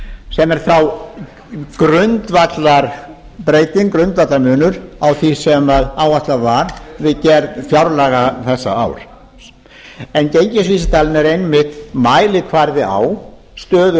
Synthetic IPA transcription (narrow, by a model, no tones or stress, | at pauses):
sɛmɛɾ̥θaw | kɾʏnt̪vat̪laɾ | pɾeːjt̪iŋkɾʏnt̪vat̪laɾmʏːnʏɾawθisɛmaðaːwvat̪lavaɾvɪðcɛɾðfjawɾlaɣaθɛsːa̰a̰wɾ̥ | ɛncejɲcɪs̬visɪt̪ʰaːlɪnɛɾejnmɪht̪maːjlɪkʰvaɾðɪa̰w | st̪œːðʏ